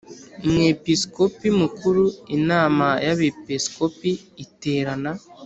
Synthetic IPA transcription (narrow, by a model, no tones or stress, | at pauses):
imŋepiskopimukuɾuinaːmajaβepiskopiːteːɾana